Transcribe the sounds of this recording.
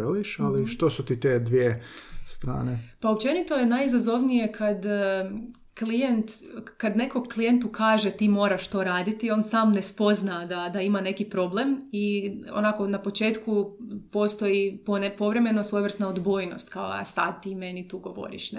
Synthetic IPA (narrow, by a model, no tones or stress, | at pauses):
eliʃaliʃt̪osut̪it̪ed̪ʋiest̪ɾa̰ːnepaopt͡ʃe̞nit̪o̞jenajizazo̞ʋnije̞kʰad̪ | klijent̪kad̪ne̞ko̞ɡklijent̪ukʰaːʒet̪iːmo̞ːɾaʃt̪o̞ɾaːd̪it̪io̞ːnsaːmnespo̞znad̪ad̪aimane̞kipɾo̞ble̞mio̰nako̞napo̞t͡ʃe̞ːt̪kupo̞st̪o̞jiponepo̞ʋɾe̞me̞nosʋojʋr̩snaod̪bo̞ːjno̞̰st̪kao̰a̰sa̰d̪̚t̪iːme̞nit̪uːɡo̞ʋo̞̰ɾḭʃn